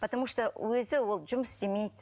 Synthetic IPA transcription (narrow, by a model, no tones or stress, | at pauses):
pʰɐt̪amuʂt̪owɵzɪwo̞lˠʒʊməsd̪ʲemejd̪ɪ